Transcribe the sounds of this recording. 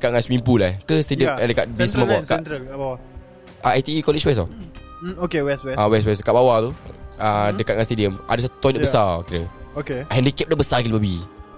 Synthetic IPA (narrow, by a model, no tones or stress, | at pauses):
kat̪̚ŋasmimpulakəst̪ediəədəkaʔbismabakaʔbawa | aajt̪iikɔlit͡ʃwɛs̬ɔ | okewɛswɛawɛstwɛskaʔbawat̪uədəkat̚ŋast̪ediəmʔa̰dəsat̪ut̪ɔdaʔbəsakiɾəokehɛndikɛp̚daʔbəsakilibabi